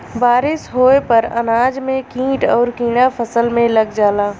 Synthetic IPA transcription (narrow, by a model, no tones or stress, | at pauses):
baːɾɪsɦoːepɐɾɐ̰naːd͡ʒmẽkĩːʈɔːɾkĩːɽ̃apʰəsəlmẽlɐɡd͡ʒaːlaː